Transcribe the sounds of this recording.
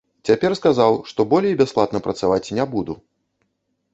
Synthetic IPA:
t͡sʲapʲɛrskazawʂt̪ɔbɔlʲejibʲasplˠat̪nɐpɾɐt̪savat͡sʲnʲɛbud̪u

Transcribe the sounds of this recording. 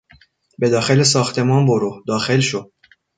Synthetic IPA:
be̞d̪ɒːxe̞les̬ɒːxt̪ʰe̞mɒːnboɾohd̪ɒːxe̞lʃod̪̚

